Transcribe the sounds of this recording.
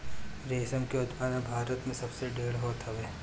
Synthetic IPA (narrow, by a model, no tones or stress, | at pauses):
ɾeːsəmkeod̪maːnabʱaːɾət̪mẽsɐbseɖeːɽɦoːt̪ɦɛʋeː